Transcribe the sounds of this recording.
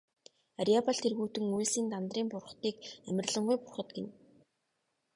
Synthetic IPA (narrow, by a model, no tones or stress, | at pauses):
aɾiapaɮt̪ʰerɣuːt̪ɘ̆ŋuesiːnt̪ant̪riːmpʊrχt̪iːkæmʲɪ̆rɮə̆ɴɢʊjpʊrχə̆t̪̚ɡen